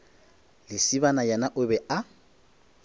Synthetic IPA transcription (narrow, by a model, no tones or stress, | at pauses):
lɪsiβanajɛnaʔʊbɛa